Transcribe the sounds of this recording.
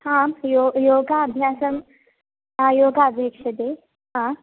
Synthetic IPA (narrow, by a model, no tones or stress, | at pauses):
hãjojoːɡaːbʱjaːsɐm | ãjoːɡaːbʱjəkʂɐd̪eː | ɦã